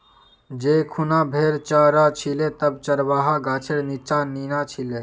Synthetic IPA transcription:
d͡ʒeːkʰʊnãːbʱeːɾt͡ʃaːɾaːt͡ʃʰileːt̪əb̚t͡ʃəɾʋaːɦaːɡaːt͡ʃʰeɽnit͡ʃaːniːnaːt͡ʃʰileː

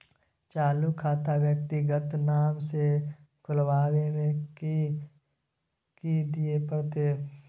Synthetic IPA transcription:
t͡ʃaːlukʰaːt̪awjək̚t̪iɡət̪naːmse | kʰʊlʋaːwemẽ | kid̪iepəɽt̪eː

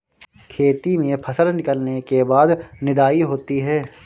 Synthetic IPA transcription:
kʰeːt̪imẽpʰɐsəlnɪkəlnekebaːd̪nɪd̪aːiɦoːt̪iɦɛː

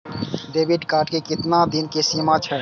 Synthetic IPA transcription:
ɖeːbʱiɖkaːɾʈkekɪt̪nad̪inkesimat͡ʃʰɛ

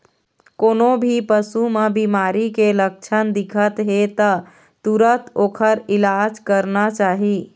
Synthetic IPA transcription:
konobʱipəsumebimaɾikelək̚t͡ʃʰənd̪ikʰət̪ɦet̪ə | t̪uɾət̪okʰəɾilad͡ʒkəɾnat͡ʃaɦi

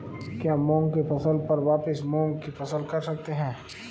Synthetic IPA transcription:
kjaːmɔ̃ːŋɡkefɐsəlpɐɾʋaːpɪsmɔ̃ːŋɡkifɐsəlkɐɾsɐk̚t̪eɦɛ̃ː

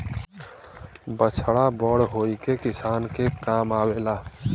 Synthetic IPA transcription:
bət͡ʃʰɽabəɽɦojkekisankekamabela

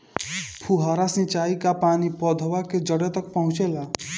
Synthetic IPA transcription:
pʰuɦaɾasĩt͡ʃaikapanipɔd̪ʱwaked͡ʒəɽet̪ək̚pɦũt͡ʃela

